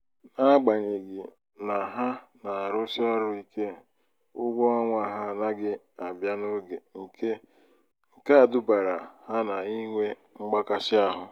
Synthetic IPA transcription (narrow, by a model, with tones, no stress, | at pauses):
na˦ɡ͡ba˨ɲe˨ɡɪ˨ | na˨ɦa˦na˨a˨ɾʊ˦sɪ˦ɔ˦ɾʊ˦i˦ke˦ | ʊ˦ɡʷo˦ɔ˦ŋʷa˨ɦa˦na˦ɡɪ˦ | a˨bja˦no˦ɡe˨ŋ̩˨kʰe˦ | ŋ̩˨ka˦a˨dʊ˦ba˨ɾa˨ha˦na˨i˦ŋʷe˦ | ŋ͡m̩˦ɡ͡ba˦ka˦sɪ˦a˦˨ɦʊ˨